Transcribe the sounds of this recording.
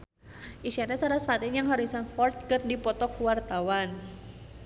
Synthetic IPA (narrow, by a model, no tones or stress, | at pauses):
ʔisianɛsaɾasfat̪injaŋɦɔɾisanfɔrt̪̚kərdipɔt̪ɔkuwart̪awan